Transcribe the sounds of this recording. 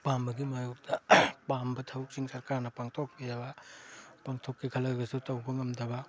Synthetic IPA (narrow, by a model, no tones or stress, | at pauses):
pambɐɡimajuk̚dɐpambɐtʰɐwk̚siŋsɐɾkaɾnɐpaŋtʰok̚bidɐbɐpɐŋtʰokːikʰɐlɐɡɐsutɐwbɐŋɐmdɐbɐ